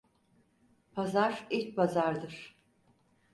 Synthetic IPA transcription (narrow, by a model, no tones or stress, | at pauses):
pʰazaɾit͡ʃ̚bazaɾd̪ɯɾ̥